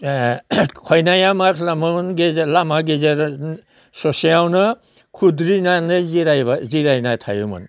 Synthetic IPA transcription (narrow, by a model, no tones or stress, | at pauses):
kʰɔjnajamakʰlamɯmnɡezlamaɡezaɾ | sɔsijawnɯ | kʰudɾinanɯziɾajbaziɾajnatʰa̰jṵmɯ̰n